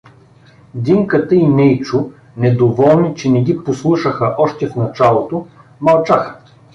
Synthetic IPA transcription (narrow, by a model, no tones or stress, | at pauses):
d̪iŋkət̪əinɛjt͡ʃʊ | nɛd̪ovɔlˠnit͡ʃɛnɛɡiposlˠuʃəxəʔɔʃt̪ɛfnɐt͡ʃalˠot̪o | mɐlˠt͡ʃaxə̥